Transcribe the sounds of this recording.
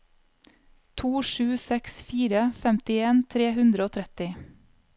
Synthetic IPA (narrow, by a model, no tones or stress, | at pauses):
t̪ʰuːʃʉːsɛksfiːɾəfɛmt̪ɪeːnt̪ʰɾeːhʉnd̪ɾəoːt̪ʰɾɛt̪ɪ